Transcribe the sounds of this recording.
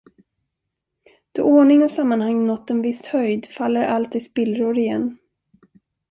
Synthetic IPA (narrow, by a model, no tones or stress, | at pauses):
d̪̥ɔ̰ʔɔːɳɪŋɔsamːanhaŋnɔt̪ːɛnvɪst̪hœjd̪falːəɾʔalt̪ɪspɪlɾoɾɪjɛnː